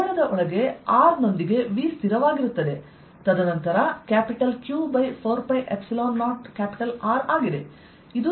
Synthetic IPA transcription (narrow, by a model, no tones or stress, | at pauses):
ɾɐðɐʔɔɭɐɣeaːɾnɔnd̪ɪɣeʋiːst̪ɪɾɐʋaːɣɪɾɯt̪ːɐðe | t̪ɐðɐnɐnt̪ɐɾɐkaːpɪʈːɐlkjuːbɐɪfoːɾpɐɪʔɛpsɪloːnːaːʈkaːpɪʈɐlaːɾaːɣɪɾe | ɪðɯ